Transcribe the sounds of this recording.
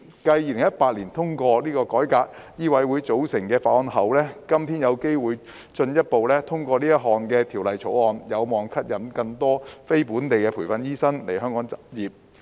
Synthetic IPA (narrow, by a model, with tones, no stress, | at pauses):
kɐ˧jːiː˨˧lɪ˨˩ŋjɐ˥t̚paː˧t̚liː˨˩nt̪ʰʊ˥ŋkɔː˧liː˥kɔː˧kɔː˨˥jkaː˧k̚jiː˥wɐ˨˥jwuː˨˧jt͡so˨˥wsɪ˨˩ŋkɛː˧faː˧˥ʔɔː˧nɦɐ˨˩wlɛː˥kɐ˥mt̪ʰiː˥njɐ˨˧wke˥jwuː˨j | t͡ʃɵ˧njɐ˥t̚po˨wlɛː˥t̪ʰʊ˥ŋkʷɔː˧liː˥jɐ˥t̚ɦɔː˨nkɛː˧t̪ʰiː˨˩wlɐ˨jt͡sʰo˨˥wɔː˨˧njɐ˨˧wmɔː˨˩ŋkʰɐ˥t̚jɐ˨˥mkɐ˧ŋt̪ɔː˥fe˥jpuː˨˥nt̪e˨jkɛː˧pʰu˨˩jfɐ˧njiː˥sɐ˥nle˨˩jɦœː˥ŋkɔː˨˥ŋt͡sɐ˨p̚jiː˨˩p̚